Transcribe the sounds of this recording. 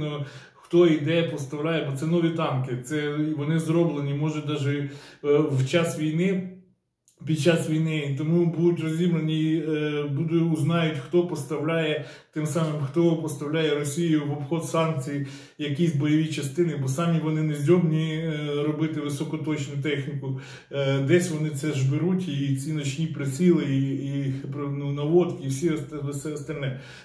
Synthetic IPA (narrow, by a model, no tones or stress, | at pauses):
nɔ | xt̪ɔid̪ɛjɐpɔst̪ɐwlʲajɛbɔt̪sɛnɔʋʲit̪ɑmkɪt̪sɛiʋɔnɪzrɔblˠenʲimɔʒɛd̪ɑʒɛ | wt͡ʃɑsʋʲijnɪ | pʲid̪̚t͡ʃɑsʋʲijnɪit̪ɔmubud̪ʊtʲrɔzʲibɾenʲi | bud̪ʊʊznɑjʊtʲxt̪ɔpɔst̪ɐwlʲajɛt̪ɪmsɑmɪmxt̪ɔpɔst̪ɐwlʲajɛɾɔsʲijʊʋɔbxɔd̪sɑnk̚t͡sʲiji | jɐkʲisʲbɔjɔʋʲit͡ʃɐst̪ɪnɪbɔsɑmʲiʋɔnɪnezʲdʲɔbnʲiɾɔbɪt̪ɪʋɪsɔkɔt̪ɔt͡ʃnʊt̪ɛxnʲikʊ | d̪ɛsʲʋɔnɪt̪sɛʒbɪɾutʲit͡sʲinɔt͡ʃnʲipɾesʲilˠɪipnunɐʋɔt̪kiwsʲissɛɔst̪ɐlʲnɛ